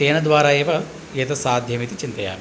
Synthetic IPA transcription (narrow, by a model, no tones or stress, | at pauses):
eːnɐd̪ʋaːɾaːeːʋɐ | jet̪ɐsaːd̪ʱjɐmit̪it͡ʃint̪ɐja̰ːm